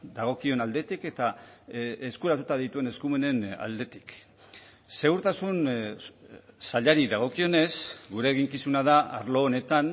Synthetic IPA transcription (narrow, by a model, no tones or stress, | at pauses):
d̪aɣ̞o̞kio̞nald̪e̞t̪ike̞t̪a | eskuɾat̪ut̪aðit̪ue̞ne̞skume̞ne̞na̰ld̪e̞t̪i̥k | se̞uɾt̪asun | saʎaɾiðaɣ̞o̞kio̞ne̞sɡuɾeːɣiŋkisunaðaa̰ɾlo̞ːne̞t̪an